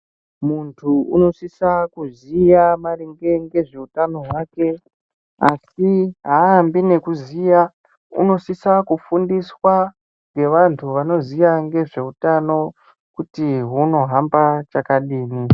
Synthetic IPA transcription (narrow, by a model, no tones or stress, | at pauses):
muntʰuṵno̞sisakuzijamariŋɡe̞ŋɡe̞ʐe̞utano̞ɦwake̞ | asiɦambine̞kuzija | ṵno̞sisakufundiswa | ŋɡe̞ʋantʰuʋano̞zijaŋɡe̞ʐe̞utano̞ | kutiɦuno̞ɦambat͡ʃakaɗiːni